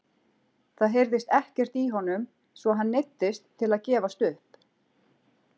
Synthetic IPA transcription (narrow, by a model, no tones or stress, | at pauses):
θaðɦejɾðɪst̪ɛhcɛr̥t̪iɦɔnʏm | svɔɦanːejt̪ːɪst̪ʰːɪlaðcɛːvast̪ʏhp